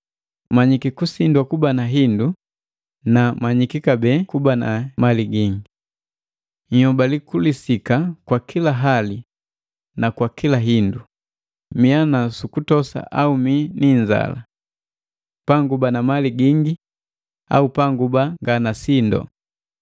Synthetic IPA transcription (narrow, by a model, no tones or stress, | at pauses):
maɲikikusindwakubanaɦindu | namaɲikikabɛkubanamaliɡiŋɡi | ɲhɔbalikulisikakwakʰilaɦali | nakwakilaɦindu | mianasukutɔsa̰ʔauminiɲd͡ʒa̰la̰ | paŋɡubanamaliɡiŋɡi | a̰upaŋɡubaŋɡanasindɔ̰